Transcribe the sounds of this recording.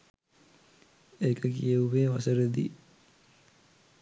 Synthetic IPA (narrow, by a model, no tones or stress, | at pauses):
ekəkijəuʋeːʋasəɾəd̪ḭ